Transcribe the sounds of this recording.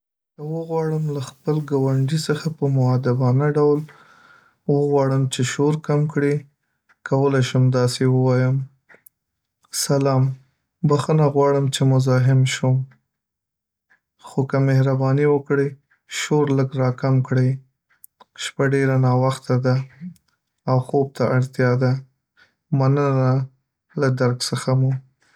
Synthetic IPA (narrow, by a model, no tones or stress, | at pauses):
kawəɣwɑɽəmlaxpəlɡawaɳɖisəxapəmʊwad̪abɑnaɖawl | wəɣwɑɽəmt͡ʃeʃoɾkamkɽi | kawəlajʃumd̪ɑsewəwɑjəm | salɑm | baxənaɣwɑɽəmt͡ʃemʊzɑɦɪmʃum | xokamehɾabɑniwəkɽe | ʃoɾləɡɾɑkamkɽe | ʃpaɖeɾanɑwaxt̪ad̪a | wxob̚t̪aʔaɽt̪jɑd̪a | manəna | lad̪aɾksəxamu